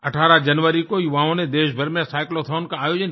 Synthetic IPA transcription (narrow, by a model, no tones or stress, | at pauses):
ɐʈʰaːɾad͡ʒɐnʋəɾikojuʋãːɦõned̪eːʃbʱɐɾmjẽsaːɪklot̪ʰaʊnkãːjoːd͡ʒən